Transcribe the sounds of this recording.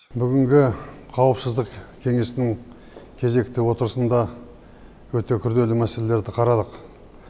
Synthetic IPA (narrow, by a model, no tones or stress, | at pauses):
bʏɡʲɪŋɡʲɪqʰɑwəpsɪzd̪əqkʲʰe̞ŋe̞sɪnɪŋ | kʲʰe̞ze̞k̚t̪ɪwo̞t̪əɾəsənd̪ɑ | wɵt̪e̞kʲʰʏɾd̪e̞lɪmæse̞le̞le̞ɾd̪ɪqʰɑɾɑd̪əq